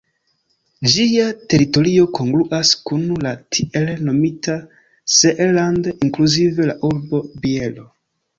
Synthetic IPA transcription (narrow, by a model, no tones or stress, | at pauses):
d͡ʒiate̞ɾito̞ɾio̞kʰo̞ŋɡluʔaskunlatʰiʔelno̞mitʰa | z̥eʔelandiŋkluzive̞laʔuɾbo̞bie̞lo̞